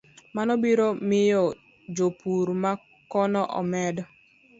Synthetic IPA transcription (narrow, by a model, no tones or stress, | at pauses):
manɔbiɾɔmɪjɔ | d͡ʒopuɾma | kɔnɔʔɔ̰mɛdɔ